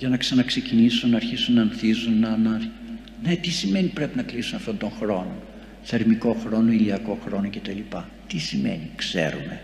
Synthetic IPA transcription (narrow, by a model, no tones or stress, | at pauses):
ʝɐnɐksɐnɐkse̞cinisunːɐːɾçisunːɐnθizunːɐnɐ | ne̞t̪isime̞nipɾe̞pinɐklisunɐft̪o̞nd̪o̞ŋxɾo̞no̞n | θe̞ɾmiko̞xɾo̞noiliɐko̞xɾo̞noce̞t̪ɐlipɐ | t̪isime̞̰nikse̞̰ɾṵme̞